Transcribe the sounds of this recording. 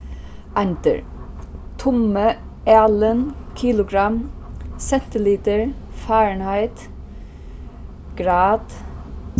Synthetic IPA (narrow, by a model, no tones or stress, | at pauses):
ʔænt̪ə̰ɹ | t̪ʰʊmə | æːlənkʰiːlʊɡɾɑmsɛnt̪ɪliːt̪əɹfɑːɹɳhæɪt̪ | ɡ̥ɾɑːd̪̥